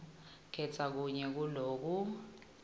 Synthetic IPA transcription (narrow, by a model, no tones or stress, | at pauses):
ɡ̥ʰʱɛt͡sʰʼak̬uɲɛk̬uloːk̬u